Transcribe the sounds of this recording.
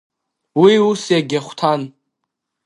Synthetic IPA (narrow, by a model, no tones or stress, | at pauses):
wiusjaɡʲaχʷtʰan